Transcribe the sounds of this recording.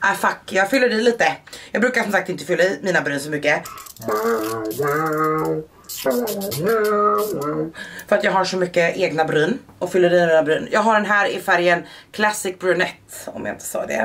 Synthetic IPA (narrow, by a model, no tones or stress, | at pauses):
afakːjɑːɡfʏlːəɖɛliːt̪əjɑːɡbɾʉ̟ːkaʂɔmsak̚t̪ɪnt̪əfʏlːaɪmiːnabɾyːsɔmʏkːə | fœɾat̪jɑːɡɦaʂɔmʏkːəʔeːɡnabɾyːnɔfʏlːəɖɛmiːnabɾyːnjɑːɡɦaɖɛnɦæːɾɪfæɾjənkʰlasɪk̚bɾʉnɛt̪ːɔ̰mja̰ɪ̰nt̪ʰə̥sɑ̰ːd̪ɛ̰